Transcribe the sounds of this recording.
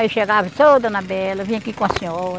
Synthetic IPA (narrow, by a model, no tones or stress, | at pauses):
iʃeɡavɐt̪od̪ɐnabɛlɐvĩɲ̃ɐkikõɐsĩoɾ